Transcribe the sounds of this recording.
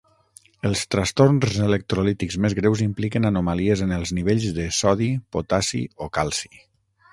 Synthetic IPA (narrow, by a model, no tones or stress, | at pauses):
əlˠst̪ɾəst̪ornzələk̚t̪ɾolit̪ikzmezɣɾewzimplikənənumaliəzənəlˠzniβ̞eʎzðəsɔðipot̪asḭokalˠsi̥